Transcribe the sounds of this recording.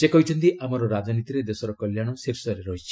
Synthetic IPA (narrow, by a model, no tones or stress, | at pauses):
sekɔɦit͡ʃʰɔnt̪iʔʔamɔɾɔɾad͡ʒɔnit̪iɾed̪esɔɾɔkɔljaɽ̃ɔsiɾsɔɾeɾɔɦii